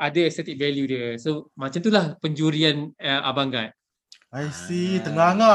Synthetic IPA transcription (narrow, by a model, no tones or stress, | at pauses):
adaɛksɛt̪ik̚vɛljudiəsomat͡ʃamt̪̬ulahpəɲd͡ʒuɾianəʔabaŋɡat̪̚ | ajsit̪əŋaŋa